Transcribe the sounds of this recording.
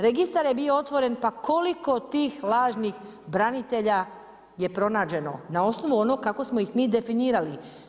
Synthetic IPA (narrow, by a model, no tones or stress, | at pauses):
ɾe̞ɡist̪aɾje̞bijoo̞t̪ʋo̞ɾe̞npakoliko̞t̪iːxlaːʒnixbɾanit̪e̞ʎa | je̞pɾo̞naːd͡ʑe̞no̞nao̞sno̞ʋuo̞nokako̞smo̞ixmiːd̪e̞finiːɾali